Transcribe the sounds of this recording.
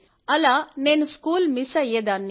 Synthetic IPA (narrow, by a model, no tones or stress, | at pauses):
ɐlaːneːnuskuːlmisɐjed̪anːi